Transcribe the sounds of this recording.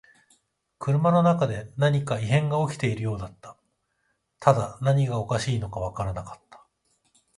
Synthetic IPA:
kɯ̟ɾɯ̟mano̞nakad̪e̞naɲ̟ikaiɦẽ̞ŋɡao̞kʲi̥t̪e̞iɾɯ̟jo̞ːd̪at̪ːḁ | t̪ʰad̪anaɲ̟iɡao̞kaɕiːno̞kaβakaɾanakḁt̪ːḁ

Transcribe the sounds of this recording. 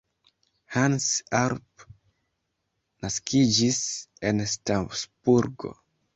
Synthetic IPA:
hansaɾp | naskʰid͡ʒisenstasb̥uɾɡo̰

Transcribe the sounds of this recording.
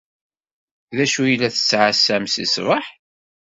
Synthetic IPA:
ðæʃujəlːæθə̥t͡sːʕasːæmsḭsvəħ

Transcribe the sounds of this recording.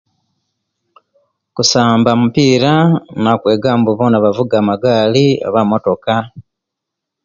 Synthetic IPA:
kusaːmbamupiːɾanakwe̞ːɡaːmbuβo̞ːnaβavuɡaːmaɡaːlia̰βamo̞to̞ka

